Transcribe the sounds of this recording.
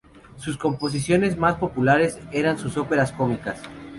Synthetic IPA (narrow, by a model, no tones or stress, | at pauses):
susko̞mpo̞s̬isjo̞ne̞zmaspo̞pulaɾe̞se̞ɾansuso̞pe̞ɾasko̞mikas